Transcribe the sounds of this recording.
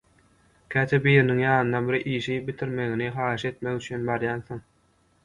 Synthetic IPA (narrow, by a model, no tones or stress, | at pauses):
kʲʰæːt̪ʰebiːɾiniŋjɑːnɯnɑbiɾʔiːʃibit̪ʰiɾme̞ɣiniχɑːɯʃe̞t̪mekyt͡ʃʰyːnbɑɾjɑːnθoŋ